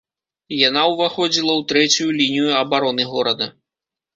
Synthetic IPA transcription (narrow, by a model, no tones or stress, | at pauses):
janawvaxɔd͡zʲilˠɐwt̪ɾɛt͡sʲujulʲinʲijuɐbaɾɔnɨɣɔɾɐd̪ɐ